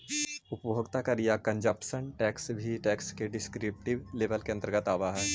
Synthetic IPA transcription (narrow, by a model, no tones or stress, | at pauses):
ʊpboːɡt̪akɐɾijakɐ̃ɲd͡ʒəpʃənʈɛːksbʱiʈɛːkskeɖɪskɾɪp̚ʈɪʋleːʋəlkeɐ̃nt̪ɾəɡət̪aːʋaɦɛː